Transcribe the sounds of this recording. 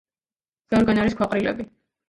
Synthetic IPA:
z̥ɛɔɾɡanaɾiskʰwaqʼɾilɛ̰bi

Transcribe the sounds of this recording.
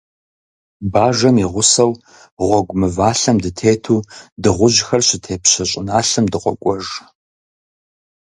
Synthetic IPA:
baːʒɐmiʁʷʊsɐw | ʁʷɔɡʷʊmɨvaːɬɐmdɨtʰeːtʰuːdɨʁʷʊʑxɐrɕɪtʰeːpɕɐɕʼɪnaːɬɐmdɨqʷɔkʷʼɔʒ

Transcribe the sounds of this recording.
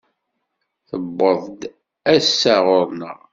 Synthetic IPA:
θəbːəðˤd̪ | æsːæʁʊɾˤnə̰ʁ

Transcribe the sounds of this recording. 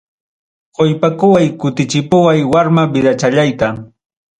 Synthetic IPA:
qojpakʊwajkʊt̪ɪt͡ʃɪpʊwajwaɾmabɪd̪at͡ʃaʎajt̪a

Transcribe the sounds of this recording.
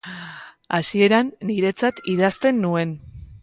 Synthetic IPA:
asie̞ɾanːiɾe̞t͡sat̪iðast̪e̞nːue̞n

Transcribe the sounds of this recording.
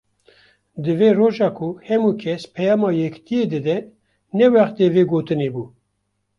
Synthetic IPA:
d̪ɨveːroːʒɑːkʰuhɛmuːkʰɛspʰɛjɑːmɑːjɛkt̪ijeːd̪ɨd̪ɛ | nɛwæχt̪eːveːɡoːt̪ɨnebuː

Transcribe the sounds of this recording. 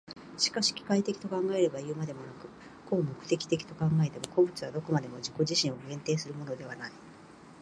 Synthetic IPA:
ɕi̥kaɕi̥kʲi̥kait̪e̞kʲi̥t̪o̞kãŋɡae̞ɾe̞baiɯ̟mad̪e̞mo̞nakɯ̟ | komo̞kɯ̟̥t̪e̞kʲi̥t̪e̞kʲi̥t̪o̞kãŋɡae̞t̪e̞mo̞ko̞bɯ̟t͡sɨβad̪o̞ko̞mad̪e̞mo̞ʑiko̞ʑiɕĩɰ̃oɡẽ̞nt̪e̞ːsɨɾɯ̟mo̞no̞d̪e̞β̞anai

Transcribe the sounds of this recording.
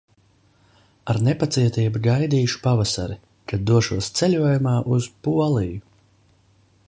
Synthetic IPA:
aɾnepat̪siɛt̪iːbuɡajd̪iːʃu̥pavasaɾi | kad̪ːuɔʃuɔst̪sɛlʲuɔjumaːʔuzpuɔlˠiju

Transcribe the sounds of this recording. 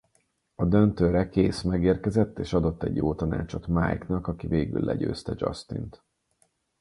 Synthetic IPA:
ɒd̪ønt̪øːɾɛkeːsmɛɡeːrkɛzɛt̪ːeːʃɒd̪ot̪ːɛɟjoːt̪ɒna̰ːt͡ʃo̞t̪maːjknɒkɒkiveːɡy̰lːʔɛ̰ɟø̰ːst̪ɛd͡ʒɒ̰st̪ḭnt̪

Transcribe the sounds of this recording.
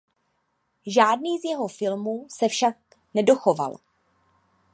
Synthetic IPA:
ʒaːdniːzjɛɦo̞fɪlmusɛfʃak̚ | nɛdo̞xo̞va̰l

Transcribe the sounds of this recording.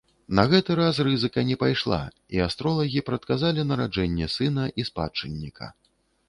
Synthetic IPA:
nɐɣɛt̪ɨɾas̬rɨzɨkɐnʲɛpajʂlˠa̰ | iast̪ɾɔlˠɐɣʲipɾɐt̪̚kazalʲinɐɾad͡ʐɛnʲːɛsɨn̪ɐʔispa̰t͡ʂɨnʲːikʰɐ̰

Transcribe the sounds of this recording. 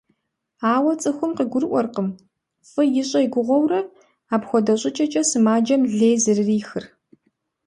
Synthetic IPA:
aːwɐt͡sʼɨxʷʊmqiɡʷʊrʔʷɔrqəm | fʼɨjɪɕʼɐjɡʷʊʁʷɔwrɐ | aːbxʷɔdɐɕʼɪt͡ʃʼɐt͡ʃʼɐsɨmaːd͡ʒɐmɮeːjzɨrɨriːxɨr

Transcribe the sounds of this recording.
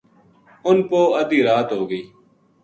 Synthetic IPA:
ʊnpoːəd̪iːɾaːt̪ɦoːɡəiː

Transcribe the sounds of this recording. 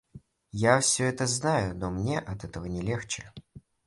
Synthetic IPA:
jafsʲɵɛt̪əznajʊnomnʲeʔɐt̪ɛt̪əvənʲɪlʲext͡ɕɪ

